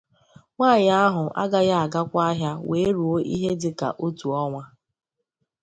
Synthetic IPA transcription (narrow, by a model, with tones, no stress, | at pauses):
ŋʷaː˦˨ɲ˨a˦ɦʊ˨ʔa̰˦ɡa˦ja˦a˨ɡa˦kʷa˦ɦja˦we˨˦ɾu˨o˦ʔḭ˦ɦe˦dɪ˨˦ka̰˨ʔo˦tu˨ɔ˦ŋʷa˦